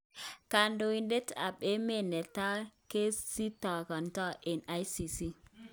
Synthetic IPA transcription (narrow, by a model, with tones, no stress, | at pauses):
ka˨ndo˨wi˦nde˦ta̰˨ɓe˦me˦˨ne˨ta˦ke˦si˦ta˨ka˨nta˦ʔe˨na˦jsi˨si˦